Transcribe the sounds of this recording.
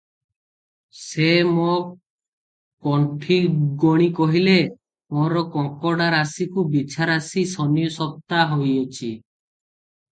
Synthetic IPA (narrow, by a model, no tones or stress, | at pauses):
semo | kɔɳʈʰiɡɔɽ̃ikɔɦile | moɾɔkɔŋkɔɽaɾasikubit͡ʃʰaɾasisɔnijɔsɔp̚t̪aɦojɔt͡ʃʰi